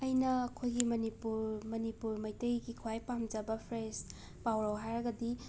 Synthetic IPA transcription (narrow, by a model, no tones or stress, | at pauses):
ɐjnɐːkʰojɡimɐnipuɾmɐnipuɾmɐjtɐjɡikʰuajpamd͡ʒɐbɐpʰɾes | pawɾɐwɦajɾɐɡɐdi